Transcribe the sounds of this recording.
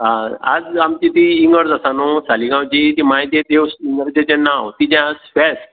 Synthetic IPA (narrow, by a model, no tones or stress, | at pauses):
ɦãa̰d͡zamt͡ɕit̪iːŋɡəɾd͡zasanosaliɡãwd͡ʑit̪imait̪et̪ewsiŋɡəɾd͡ʑet͡ɕɛnːãwt̪id͡ʑãspɛs